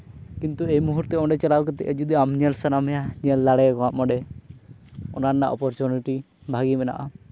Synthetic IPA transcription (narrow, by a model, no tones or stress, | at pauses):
kint̪uejmuɦuɾt̪ɛɔɖɛt͡ʃalawkɛt̪ɛ̰ʔɛd͡ʒud̪iamɲɛlsanamɛjaɲiəlːaɽɛkɔwaʔmɔɖɛ | ɔnanːa̰ʔɔ̰pɔɾt͡ʃuniʈi | bʱaɡimɛna̰ʔa